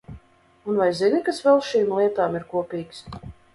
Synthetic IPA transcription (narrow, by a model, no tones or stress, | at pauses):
unvajzinikasvɛlˠʃiːmlˠiɛt̪aːmiɾkuɔpʲiːks